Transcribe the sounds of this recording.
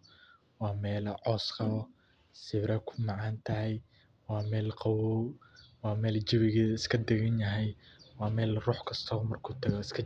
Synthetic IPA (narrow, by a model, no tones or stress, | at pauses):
wɑːmɛːlɐʕɔːsqɑβɔ | sɪβɾɐkʰʊ̥mɑʕɑːnt̪ʰɐɦɛj | wɑːmɛːlqɑwɔwɑːmɛːlt͡ʃɪβɪɣɛːðɐɪskʰɐd̪ɛɣɐnjɐɦɛjwɑːmɛːlruːħkʰɐst̪ʰɔːmɐrkʰuːt̪ʰɐɣɔɪskʰɐ